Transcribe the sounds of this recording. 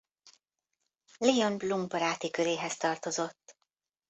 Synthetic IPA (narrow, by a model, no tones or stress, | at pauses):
lionbluŋɡbɒɾaːt̪ikø̞ɾeːɦɛst̪ɒrt̪o̞zo̞t̪ː